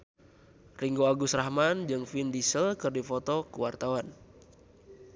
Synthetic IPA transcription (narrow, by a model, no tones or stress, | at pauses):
riŋɡoaɡusrahmand͡ʒɨŋfindisəlkɨrdifɔt̪ɔkuwart̪awan